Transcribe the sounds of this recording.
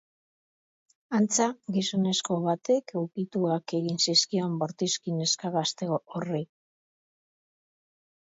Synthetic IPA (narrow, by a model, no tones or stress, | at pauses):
ant͡saɡiso̞ne̞sko̞βat̪e̞kewkit̪uake̞ɣinsiskio̞mbo̞ɾt̪iskine̞skaɣast̪e̞oori